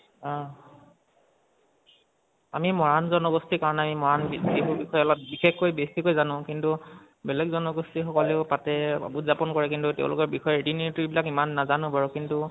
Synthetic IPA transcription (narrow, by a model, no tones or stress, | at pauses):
ɔ̃ | amimɔɹanzɔnɔɡɔstikaɹɔnɛamimɔɹanbibuɹbixɔjɔlɔt̚bixexkojbesikojzanʊ̃kintu | bɛlɛɡzɔnɔɡostixɔkɔleʊpatɛba̰butzapɔnkɔɹɛkintutɛ̰̃ʊ̃lʊkɔɹbixɔjɔɹedinitibilakimanːazanʊ̃paɹʊkintu